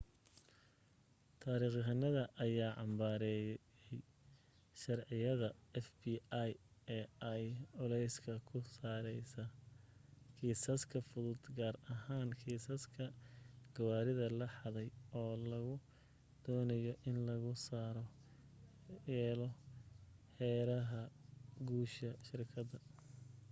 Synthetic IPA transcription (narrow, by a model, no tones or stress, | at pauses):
t̪ʰaːɾiːχɦɐnɐðɐʔɐjaːʕɑmbaːɾɛːj | ɛj | ʃɐrʕɪjɐðɐɛfbiːjɛɐjʊlɛjskʰɐkʰʊsaːɾɛjsɐ | kʰiːsɐskʰɐfʊðʊd̪ɡaːrɐɦaːnkʰiːsɐskʰɐɡ̥ɐwaːɾɪðɐlɐħɑðɛjɔːlɐɣʊ | d̪̥ɔːnɐjɔʔɪnlɐɣʊsaːɾɔ | jɛːlɔ | hɛːɾɐɦɐɡuːʃɐʃɪrkʰɐd̪ɐ